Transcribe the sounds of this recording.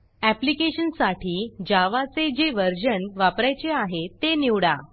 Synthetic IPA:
æplikeɕənsaʈʰiːd͡ʑaʋat͡sed͡ʑeʋəɾd͡ʑənʋapɾajt͡ɕeaɦet̪eniʋɽa

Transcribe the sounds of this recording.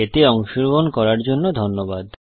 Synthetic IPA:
et̪eɔŋʃuɾbonkɔɾaɾd͡ʑonːod̪ʱonːobad̪

